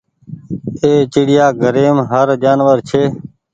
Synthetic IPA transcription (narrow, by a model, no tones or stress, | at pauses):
eːt͡ʃɪɽɪjaːɡʱəɾeːmɦəɾd͡ʒaːnʋəɾt͡ʃʰeː